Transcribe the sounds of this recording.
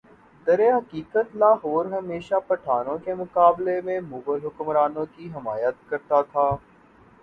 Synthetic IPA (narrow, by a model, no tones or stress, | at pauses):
d̪ɐɾeɦɐkiːkət̪laːɦoːɾɦɐmeːʃapɐʈʰaːnõkemʊkaːblemẽmuːbəlɦʊkmɾaːnõkiɦɪmaːjət̪̚kɐɾt̪at̪ʰaː